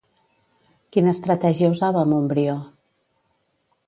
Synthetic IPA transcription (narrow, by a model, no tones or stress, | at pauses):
kinəst̪ɾət̪ɛʒiəuzaβəːmumbɾio